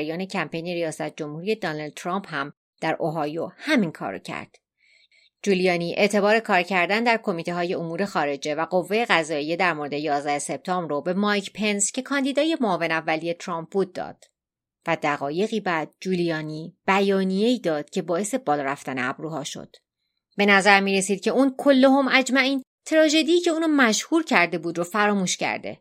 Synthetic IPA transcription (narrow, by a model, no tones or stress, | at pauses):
ɾjɒːne̞cʰæmpʰe̞jneɾijɒːsæt̪̚ʰd͡ʒo̞mhuːɾiːe̞d̪ɒːnɒld̪̚t̪ʰɾɒmphæm | d̪̥æɾʔoɦɒːjohæminkʰɒ̰ːɾo̰cʰæ̰ɾd̪̥ | d͡ʒuːlijɒːniːʔeʔt̪ʰe̞bɒːɾe̞kʰɒːɾcʰæɾd̪ænd̪æɾkʰo̞miːt̪ʰe̞ɦɒːje̞omuːɾe̞xɒːɾe̞d͡ʒe̞væɢo̞vːe̞je̞ɣæzɒːije̞d̪æɾmoɾed̪ejɒːzd̪æhese̞p̚t̪ʰɒːmbɾobe̞mɒjcʰpʰe̞nscʰe̞kʰɒːnd̪iːd̪ɒːje̞moɒːve̞nævːælije̞t̪ʰɾɒːmp̚buːd̪̚ːɒ̰ːd̪̥ | væd̪æɣɒːje̞ɣiːbæːd̪̚d͡ʒuːlijɒːniːb̥æjɒːnije̞iːd̪ɒːd̪̥cʰe̞bɒːe̞se̞bɒːlɒːɾæft̪æneæ̰bɾuːhɒ̰ːʃo̰d̪̥ | be̞næzæɾmiːɾe̞siːd̪̚cʰe̞uːnkʰo̞lːoɦomʔæd͡ʒmæʔiːn | t̪ʰɾɒːʒe̞d̪ijːce̞uːnomæʃhuːɾcʰæɾd̪e̞buːd̪ɾofæɾɒːmuːʃcæ̰ɾd̪e̞̰